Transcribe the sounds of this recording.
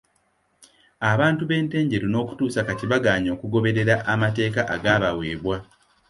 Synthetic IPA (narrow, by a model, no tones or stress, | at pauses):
aβaːntuβe̞ːnte̞ːɲɟe̞ɾono̞ːku̥tuːsakatiβaɡaːɲo̞ːkuɡo̞βe̞ɾe̞ɾaʔamate̞ːkaʔaɡaːβawe̞ːβwa